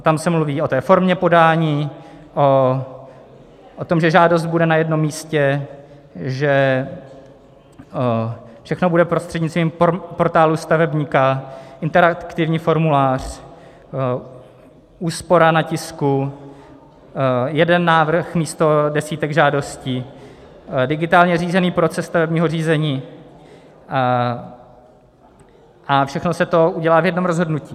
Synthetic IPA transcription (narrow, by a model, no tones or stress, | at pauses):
t̪amsɛmluviːo̞t̪ɛːfo̞ɾmɲɛpo̞daːɲiː | ʔo | ʔot̪o̞mʒɛʒaːdo̞st̪̚budɛnajɛdno̞mːiːscɛ | ʒɛ | fʃɛxno̞budɛpɾost̪r̥ɛdɲit͡st̪viːmpo̞ɾt̪aːlust̪avɛbɲiːkaʔɪnt̪ɛɾakt̪ɪvɲiːfo̞ɾmulaːr̝̥ | ʔuːspo̞ɾanacɪsku | jɛdɛnːaːvr̩xmiːst̪o̞dɛsiːt̪ɛɡʒaːdo̞sci | dɪɡɪt̪aːlɲɛriːzɛniːpɾot͡sɛsːt̪avɛbɲiːɦo̞riːzɛɲiː | ʔafʃɛxno̞sɛt̪oʔuɟɛlaːvjɛdno̞mɾozɦo̞dnuciː